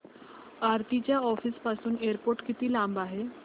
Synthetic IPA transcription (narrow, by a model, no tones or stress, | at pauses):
aɾt̪it͡ɕjaɔfiːspasuːneəɾpoɾʈkit̪iːlãmbaɦe